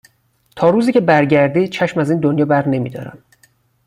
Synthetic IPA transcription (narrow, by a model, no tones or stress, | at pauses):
t̪ʰɒːɾuːziːcʲʰe̞bæɾɟæɾd̪iːd̪̥̚t͡ʃʰæʃmæziːnd̪onjɒːbæɾne̞mḭːd̪ɒ̰ːɾæ̰m